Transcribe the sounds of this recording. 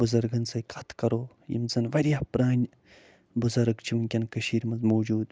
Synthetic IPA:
buzɐɾɡɐnsɐjkɐt̪ʰkɐɾoː | jḭmzɐnʋɐɾʲjaːpɾaːnʲ | buzɐɾɡt͡ʃʰiʋɨnʲkʲɐnkəʃiːɾmɐzmoːd͡ʒuːd̪

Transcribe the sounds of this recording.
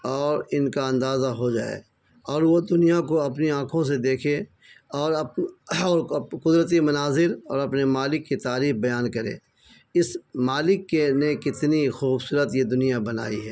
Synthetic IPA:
ɔːɾɪnkaɐ̃nd̪aːzaɦod͡ʒa̰ːḛː | ɔːɾʋod̪ʊnijakoɐpniãːkʰõs̬ed̪eːkʰe | ɔːɾɐpɔːɾkʊd̪ɾət̪̬imɐnaːzɪɾɔːɾɐpnemaːlɪkːit̪aːɾiːxbɐjaːnkɐɾḛ̃ː | ɪsmaːlɪkːenekɪt̪nixuːbsuːɾət̪jed̪ʊnijabɐna̰ːḭɦɛː

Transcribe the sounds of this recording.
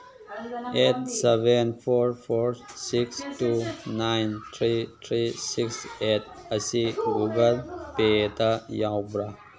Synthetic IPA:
et̚sebenpʰoɾpʰoɾsiksʈunajnt̪ʰɾit̪ʰɾisikset̚əsiɡuɡəlpet̪ajawbɾa

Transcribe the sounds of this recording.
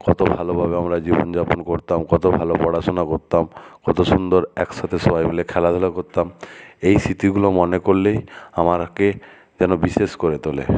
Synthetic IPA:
kɔt̪obʱalobʱabeamɾad͡ʑibond͡ʑaponkoɾt̪amkɔt̪obʱalobɔɽat͡ɕonakoɾt̪amkɔt̪oʃund̪oɾɛkʃat̪ʰesɔbajmilekʰɛlad̪ʱɔlokoɾt̪amejsit̪iɡulomɔnekoɾlejamaɾke | d͡ʑɛnobiʃeʃkoɾet̪olḛ

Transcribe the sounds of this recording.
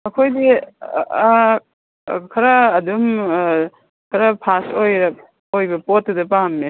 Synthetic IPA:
ɐkʰojdi | kʰɐɾɐːdum | kʰɐɾɐpʰasojɾɐ | ojbɐpotːɐdɐpahmːe

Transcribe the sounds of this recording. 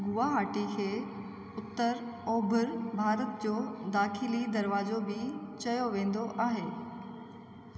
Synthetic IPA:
ɡʊʋaɦaːʈikʰeː | ʊt̪ːəɾɔːbʱʊɾbʱaːɾət̪̚d͡ʑoːd̪aːxɪlid̪ɐɾʋaːzobɪt͡ɕɐjoʋẽːn̆d̪oʔaːɦeː

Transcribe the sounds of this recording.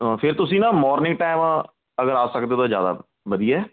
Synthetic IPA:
pʰɪɾt̪ʊsĩːnãːmɔːɾnɪ̃ŋɡ̚ʈaːɪmã | əɡəɾaːsəkd̪eːt̪ːd͡ʒja̰ːd̪a̰ː | ʋəd̪ijaɛː

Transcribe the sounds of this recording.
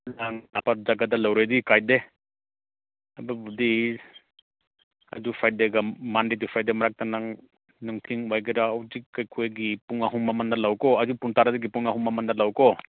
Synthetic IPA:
naŋnapadaɡadalawɾedikajde | ababudi | a̰dupʰajdeɡamandidupʰajdemɐɾak̚tanaŋ | nuŋtʰiŋwajɡiɾaːwzikajkʰojɡipuŋaɦumːɐmandalawkɔadupuŋtaɾadiɡipuŋaɦumːɐmɐndɐlawkɔ

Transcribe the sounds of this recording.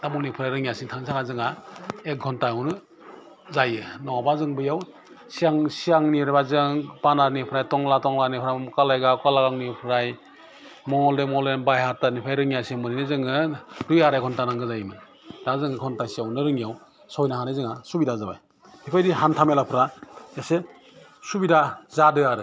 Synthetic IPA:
tamulnipʰɯɾajɾɯŋijasiŋtʰaŋisʰaŋazɯŋaek̚ɡʱɔntaawnɯ | zajɯnɔabazɯŋbɯjaw | siaŋsiaŋniɾebazɯŋpanaɾnipʰɾajtɔŋlatɔŋlanipʰɾajmkalajɡakalaɡaŋnipʰɾaj | mɔŋɔldemɔldenbajɦatanipʰajɾɯŋijasemɯninɯzɯŋɯɾɯjaɾajkʰɔntanaŋɡɯzajmɯ | d̥azɯŋɯkʰɔntasiawnɯɾɯŋijaw | sɔjnaɦanezɯŋasubidazaba̰j | hʰipʰajdiɦantʰamelapʰɾaese | subidazadɯjaɾɯ

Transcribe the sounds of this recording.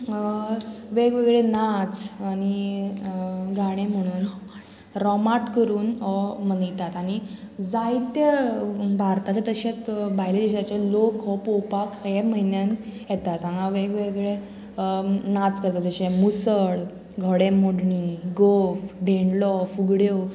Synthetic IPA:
ʋeɡʋeɡɭenat͡sañi | ɡaɽ̃ẽm̤əɽ̃uːn | ɾɔmaʈkəɾuːnɦɔmənit̪at̪aɽ̃ñid͡zait̪jəbaɾt̪at͡sət̪əɕet͡sbʱaɦjled͡ʑeɕat͡ɕelokɦɔpowpakjɛməɦinjãnjɛt̪at̪sãŋɡaʋeɡʋeɡɭe | nat͡skəɾt̪ad͡zəɕemusəɭ | ɡʱɔɽemoɽɳiɡofɖeɳɖlɔfuɡɽjo

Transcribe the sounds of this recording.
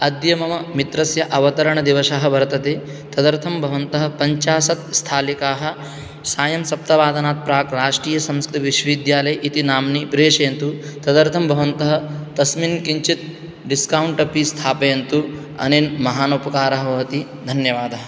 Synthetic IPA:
ɐd̪jɐmɐmɐmit̪ɾɐsjɐʔɐʋɐt̪ɐɾɐɳɐd̪iʋɐʃɐɦɐ̆bʱɐɾt̪ɐt̪eː | t̪ɐd̪ɐɾt̪ʰɐmbʱɐʋɐnt̪ɐɦɐ̆pɐɲt͡ʃaːsɐt̪̚st̪ʰaːlikaːɦɐ̆ | saːjɐmsɐp̚t̪ɐʋaːd̪ʱɐnaːt̪̚pɾaːkɾaːʂʈɾiːjɐsɐ̃mskɾuʋiʃʋid̪jaːlɐjʔit̪inaːmnipɾeːʂɐjɐnt̪ut̪ɐd̪ɐɾt̪ʰɐmbʱɐʋɐnt̪ɐɦɐt̪ɐsminkiɲt͡ʃit̪̚ | ɖiskɐwuɳʈɐpist̪ʰaːpɐjɐnt̪u | ɐ̰nenmɐɦaːnupɐkaːɾɐɦɐɐt̪i | d̪ʱɐnjɐʋaːd̪ɐɦɐ̆

